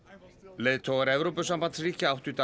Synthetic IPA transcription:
leːðt̪ʰowaɾɛvɾowpʏsampansriːcɪawht̪ʏt̪a

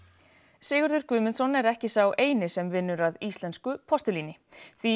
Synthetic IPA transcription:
sɪːɣʏɾðʏɾ̥kʏːmɪnsɔnɛɾɛhcɪsawʔeːjnɪsɛmvɪnːʏɾaðist̪lɛnskʏpʰɔst̪ʏliːnɪθi

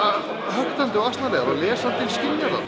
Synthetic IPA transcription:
a | ɦœkt̪ant̪ɪɔɣast̪naɾleːjɣaɾaɣlɛːsant̪ɪscɪnːaɾa̰

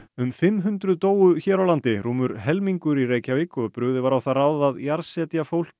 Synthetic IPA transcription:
ʏmfɪmːɦʏnt̪ɾʏðt̪oːwʏçɛːɾawlant̪ɪruːmʏɾɦɛlmiŋkʏɾireːjcavikɔðpɾʏɣðɪvaɾawθaraːwðaðjaɾsɛːt̪jafowl̥c

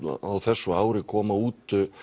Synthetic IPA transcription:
a̰aðθɛsːʏaːwɾɪkʰɔːmauːt̪

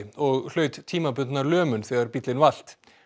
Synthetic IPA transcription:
ɔɣl̥œːɥt̪t̪ʰːiːmapʏnt̪naɾlœːmʏnθɛːɣaɾpit̪lɪnval̥t̪

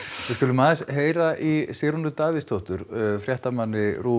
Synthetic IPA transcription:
vɪskʏːlːʏmaːðɪsɦeːjɾaʔisɪːɾunʏt̪aːvɪst̪ʰoht̪ʏɾ̥fɾjɛht̪amanːɪɾuː

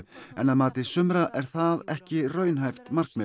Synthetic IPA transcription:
ɛ̰naðmaːt̪ɪsʏmɾaʔɛɾ̥θaðɛhcɪrœːɥnɦajft̪mar̥kmɪ

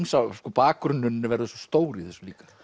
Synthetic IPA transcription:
nsaskɔpaːkɾʏnːʏnːɪvɛɾðʏsɔst̪oːwɾiθɛsːʏ̥liːkḁ

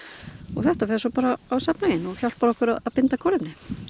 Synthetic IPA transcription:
ɔ̰ɣθɛht̪afɛɾsɔpaːɾaːwsapnajɪnɔɣçawl̥paɾɔhkʏɾaðaðpɪnt̪akʰɔːlɪmnɪ

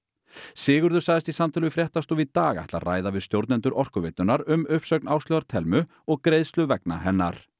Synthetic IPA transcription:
sɪːɣʏɾðʏsaðɪst̪isamt̪ʰalʏfɾjɛht̪ast̪uit̪aːɣa̰jht̪laðra̰ːjðavɪðst̪jowɾt̪nɛnt̪ʏɾʔɔr̥kʏvɪt̪ːʏnaɾʏmʏhpsœɥknaːwst̪lœɣðaɾ̥t̪ʰɛlmʏ | ɔɣkɾejðst̪lʏvɛkna̰ɦɛnːa̰ɾ̥

